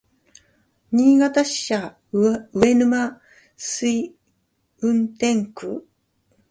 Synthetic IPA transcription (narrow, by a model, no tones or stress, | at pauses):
ɲ̟iːɡat̪aɕa | ɯ̟e̞nɯ̟ma | sɨi | ɯ̟̃nt̪ẽ̞ŋkɯ̟